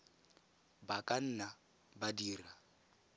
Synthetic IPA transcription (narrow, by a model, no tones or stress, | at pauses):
bakʼan̩na | badiːra